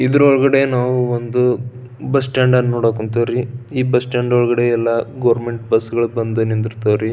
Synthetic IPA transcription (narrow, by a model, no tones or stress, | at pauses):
id̪ɾɔɭɡɐɽe̞naːʋuond̪u | bɐsʈaːɳɖɐnːoːɽaːkunt̪ɐʋɾiiːbɐsʈaːɳɖɔɭɡɐɽe̞ɛlːɐɡɐːɾmeɳʈbɐsːɡɐɭubɐnd̪unind̪iɾt̪ɐʋɾi